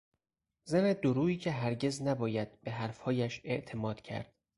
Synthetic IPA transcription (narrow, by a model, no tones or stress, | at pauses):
zæned̪oɾuːiːcʰe̞ɦæɾɟe̞znæbɒːjæd̪̥̚be̞ɦæɾfhɒːjæʃe̞ʔt̪ʰe̞mɒːd̪̥cʰæ̰ɾd̪̥